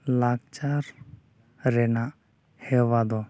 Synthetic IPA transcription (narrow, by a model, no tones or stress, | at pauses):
laɡ̚t͡ʃaɾ | ɾɛnaʔ | hɛwad̪ɔ